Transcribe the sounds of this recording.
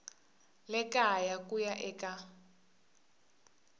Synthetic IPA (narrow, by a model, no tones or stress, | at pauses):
lɛkajakujaʔɛka